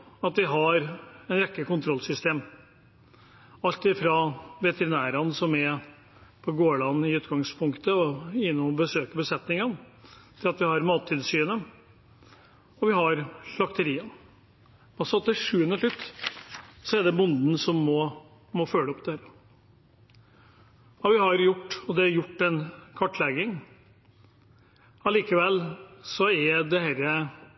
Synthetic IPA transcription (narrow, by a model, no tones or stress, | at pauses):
ɑt̪ʋɪɦɑɾɛnɾɛkːəkʊnt̪ʰɾɔlsʏst̪eːm | ɑlt̪ɪfɾɑʋɛt̪əɾɪnæːɾɑnsɔmæ | pʰɔɡoːɭɑnːɪʉːt̪ɡɑŋspʰʊŋkt̪əɔjɪnːʊmɔbəsøːkəbəsɛt̪nɪŋən | t̪ʰɪlɑt̪ʋɪhɑɾmɑːt̪ʰːiːd̪syːənə | ɔʋɪɦɑɾɑkt̪əɾiːən | ɑlsɔɑt̪ːɪʂʉːənəʂlʉt̪ː | sɔæɖ̪ɛbʊnd̪n̩sɔmːɔ | mɔføːləɔpd̪ɛhæːɾə | ɑʋɪhɑɾjʊʈːɔd̪ɛæɾjʊʈːɛnkʰɑʈːlɛɡɪŋ | ɑliːkəʋɛlːsɔɛɾd̪ɛhæɾə